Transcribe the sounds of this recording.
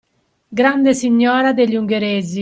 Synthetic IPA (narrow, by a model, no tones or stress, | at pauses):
ɡɾand̪esiɲːɔːɾad̪eʎːuŋɡeɾeːzi